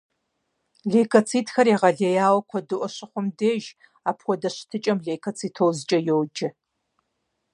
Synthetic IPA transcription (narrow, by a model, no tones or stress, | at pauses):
ɮeːkʰɐt͡sʰiːtxɐɾiːʁɐɮejaːwɐkʷʰɔdɨʔʷɔɕɪχʷʊmdeːʒ | aːpʰxʷɔdɐɕɪ̥tʰɨt͡ʃʼɐmɮeːjkʰɐt͡sʰiːtʰowzɨt͡ʃʼɐjowd͡ʒɐ